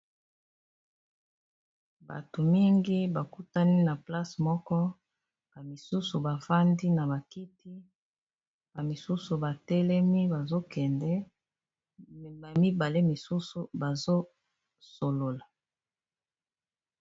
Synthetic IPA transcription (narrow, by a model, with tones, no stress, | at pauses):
ba̰˨to˨mi˦ŋɡi˦ba˨ku˦ta˦ni˦na˨pla˦smɔ˦kɔ˦ | b̥a˨mi˨su˦su˨ba˨va˦ndi˦na˨βa˨ki˦ti˦ | ba˨mi˨su˦su˨ba˨tɛ˦lɛ˦mi˦ba˨zo˦kɛ˨ndɛ˦ | a˨mi˦ba˨le˦mi˨su˦su˨ba˨zo˦ | so˨lo˨la˨